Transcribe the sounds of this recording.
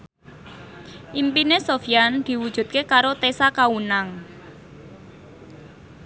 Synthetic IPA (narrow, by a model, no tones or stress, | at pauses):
ʔimpinesofjand̪̥i̤wud̥ʒ̥ṳt̪̚kekaɾot̪esakaunaŋ